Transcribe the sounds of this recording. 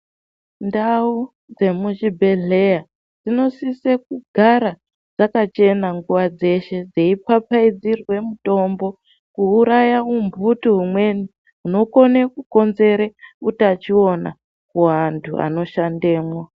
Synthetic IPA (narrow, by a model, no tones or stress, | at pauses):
ndau | d͡ze̞muʒibʱe̞ɮeja | d͡zino̞sisek̚uɡʱaɾa | d͡zakat͡ʃe̞naŋɡuʋad͡ze̞ʃe̞d͡zeipapaid͡zirwe̞muto̞mbo̞ | kuːɾajaumbʱutuɦumwe̞ni | uno̞ko̞nekuko̞nze̞ɾeutat͡ʃio̞na̰ | kuɦantʰua̰no̞ʃande̞ːmwa